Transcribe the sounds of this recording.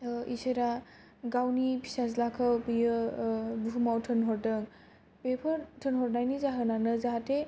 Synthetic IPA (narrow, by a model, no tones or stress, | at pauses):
iseɾa | ɡawnipʰi̥sazlakʰɔpɯjɯbuɦumawtʰɯnɦɔɾdɯŋ | pepʰɯɾtʰɯnɦɔɾnajnizaɦɯnanɯzaɦatʰe